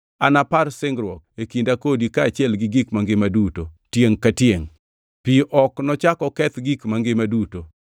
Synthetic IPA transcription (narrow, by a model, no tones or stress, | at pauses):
anapaɾsɪŋɡɾwɔk̚ekindakodikaːt͡ʃjɛlɡɪɡikmaŋɡɪmadutotjeŋkatjeŋ | piʔɔknɔt͡ʃakɔkɛt̪ɡikmaŋɡɪmaduto